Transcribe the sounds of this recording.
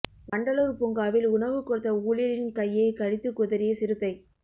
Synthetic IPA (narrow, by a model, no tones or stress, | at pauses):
ʋɐɳɖɐloːɾpʊŋɡaːʋɪlʊɳɐʋɯkːɔɽɯt̪ːɐuːlɪjɐɾɪnkɐjːɐɪkɐɽɪt̪ːɯkːʊðɐɾɪjɐsɪɾɯt̪ːɐɪ